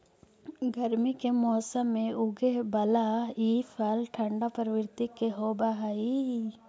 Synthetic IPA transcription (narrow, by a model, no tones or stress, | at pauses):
ɡəɾmikemɔːsəmːẽʊɡebɐlaiːfʰalʈʰə̃ɳɖapəɾʋɪɾt̪ikːeɦoːbaɦai